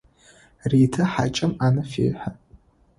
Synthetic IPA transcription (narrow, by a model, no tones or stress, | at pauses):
riːtʰɨħa̰t͡ʃʼɪmanɨfḛːħʷa